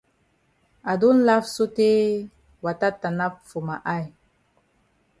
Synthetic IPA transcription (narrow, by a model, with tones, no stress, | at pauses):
a˨du˦n˦la˦fsu˦te˦ | wa˨ta˦tːa˨na˦pfu˨ma˨ʔa˦j